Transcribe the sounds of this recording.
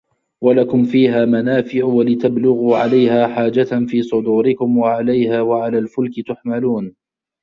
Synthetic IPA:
walakʊmfiːɦaːmanaːfɪʕwalɪt̪ablʊɣuːʕalajhaːħaːd͡ʒat̪nfiːsˤʊd̪uːɾɪkʊmwaʕalajhaːwaʕalaːlfʊlkɪt̪ʊħmaluːn

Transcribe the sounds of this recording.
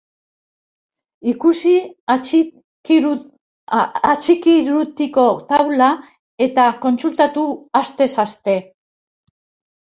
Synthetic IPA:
ikusi | at͡ʃikiɾut̪iko̞t̪awla | e̞t̪ako̞nsult̪at̪uast̪e̞sast̪e̞

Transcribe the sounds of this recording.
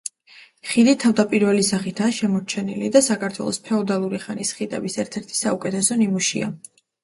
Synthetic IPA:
χid̪it̪ʰavd̪apʼiɾvɛlisaχit̪ʰaːʃɛmɔɾt͡ʃʰɛnilid̪asakʰaɾt̪ʰwɛ̰lˠɔspʰɛɔd̪alˠuɾiχanisχit̪ʼɛ̰bisɛɾt̪ʰɛɾt̪ʰi̥saukʼɛt̪ʰɛsɔnimuʃḭa̰

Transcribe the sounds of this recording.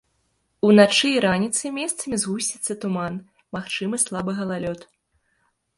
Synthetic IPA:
unat͡ʂɨiɾanʲit̪sɨmʲɛst̪sɐmʲizɣusʲtʲit̪sːɐt̪uman | maxt͡ʂɨmɨslˠabɨɣɐlˠalʲɔt̪

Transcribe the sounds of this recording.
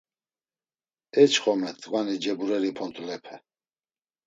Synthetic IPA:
ɛt͡ʃʰχɔmɛt̪ʼɡwanid͡ʒɛbuɾɛɾipʰɔnt̪ʰʼulɛpʰɛ

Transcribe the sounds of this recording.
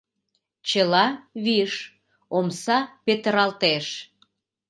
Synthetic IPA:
t͡ɕəlɑβiʃ | omsɑpet̪əɾɑlt̪eʃ

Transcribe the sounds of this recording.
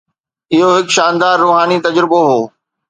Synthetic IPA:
ɪɦoɦɪkʃaːnd̪aːɾːuːɦaːnit̪ɐd͡ʑɾɪboɦoː

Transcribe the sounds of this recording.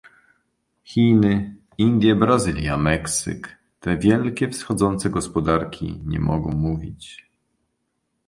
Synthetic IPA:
xʲinɘ | ind̪ʲjɛbɾazɘlʲjamɛksɘ̰k | t̪ɛvʲjɛlkʲɛfsxɔd̪zɔnt̪sɛɡɔspɔd̪aɾkʲʰḭɲɛ̰mɔɡɔ̰̃w̃muvʲḭt͡ɕ

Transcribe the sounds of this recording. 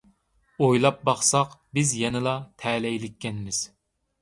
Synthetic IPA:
ojlˠɑp̚bɑχsɑqbɪzjɛnɨlˠɑt̪ʰɛːlɛjlɪkʲːɛnmɪz̥

